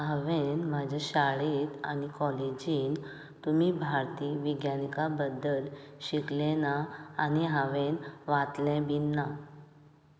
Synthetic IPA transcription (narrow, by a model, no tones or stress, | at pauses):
ɦaʋenmad͡ʑʱaɕaɭit̪a̰nikɔled͡ʑiːn | t̪um̤iːbʱaɾt̪iːʋiɡjanikabəd̪ːəlɕiklɛnaaniɦaʋẽnʋãt̪lɛ̃binːa